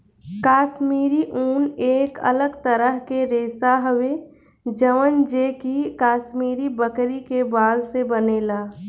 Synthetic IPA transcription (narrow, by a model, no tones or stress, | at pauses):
kaːʃmiːɾiʔuːneːkə̰ləɡt̪əɾəɦkeɾeːsaɦəʋe | d͡ʒəʋənd͡ʒeːkikaːʃmiːɾibəkɾikebaːlsebəneːlaː